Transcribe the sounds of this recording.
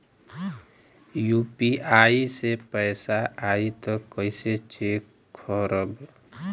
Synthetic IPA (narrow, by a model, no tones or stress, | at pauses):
juːpiaːisepɛɪsaʔaːit̪ɔkəɪset͡ʃe | kʰɔɾəb